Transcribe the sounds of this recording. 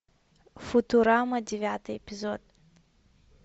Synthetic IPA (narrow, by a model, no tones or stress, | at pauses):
fʊt̪ʊɾamɐdʲɪvʲat̪ɨjɪpʲɪzot̪